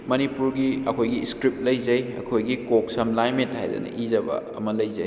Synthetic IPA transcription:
mɐnipuɾɡiɐkʰojɡiskɾip̚lɐjzɐjɐ̰kʰojɡikok̚sɐmlajmet̚hajdɐ̰nɐ̰ʔizɐbɐ̰ɐ̰mɐlɐjzɐj

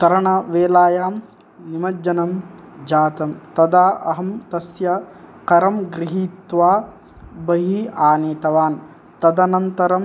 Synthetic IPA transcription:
kɐɾɐɳɐʋeːlaːjaːm | nimɐd͡ʒɐnɐmd͡ʒaːt̪ɐmt̪ɐd̪aːʔɐɦɐmt̪ɐsjɐkɐɾɐmɡɾiɦiːt̪ʋaː | bɐɦiaːneːt̪ɐʋaːn | t̪ɐd̪ɐnɐnt̪ɐɾɐm

